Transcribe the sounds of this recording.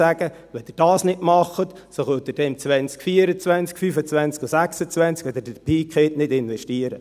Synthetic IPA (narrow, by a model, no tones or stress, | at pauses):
æɡ̥ə | ʋɛd̥̪ɪːɾd̥ɑːsnɪdmɑχət̪ | sosøt̪ɪd̥ɛmt͡sʋɛnt͡skfiːəɾət͡svɛnt͡skfyfət͡svɛnt͡skusæksət͡svɛnt͡skɛd̪ədəpʰiːkχetnɪdɪnʋɛʃtiəɾə